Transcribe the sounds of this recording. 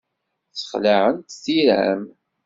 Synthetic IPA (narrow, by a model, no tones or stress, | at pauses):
θə̥χlaʕənt̪sθiɾæ̰m